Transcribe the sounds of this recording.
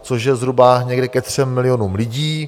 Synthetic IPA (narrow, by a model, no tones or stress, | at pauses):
t͡so̞ʃjɛzɦɾubaɲɛɡdɛkɛt̪r̝̥ɛmːɪlɪjo̞nuːmlɪɟiː